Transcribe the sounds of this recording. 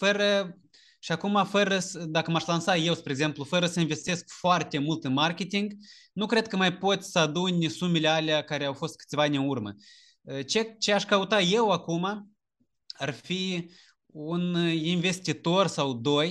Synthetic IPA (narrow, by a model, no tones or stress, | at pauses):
fəɾə | ʃiakumafəɾəsəd̪akəmaʃlansaje̞wspɾeɡze̞mplufəɾəsəinve̞st̪e̞skfoart̪e̞mult̪ɨnmarkʲe̞t̪iŋɡ | nukɾe̞d̪̚kəmajpo̞t̪sʲsəad̪unʲsumele̞aleakaɾeawfo̞st̪̚kɨ̥t̪sʲvaanʲɨnurmə̰ | ət͡ʃe̞t͡ʃe̞aʃkəut̪aje̞wakuma | arfi | uninve̞st̪it̪o̞rsawd̪o̞j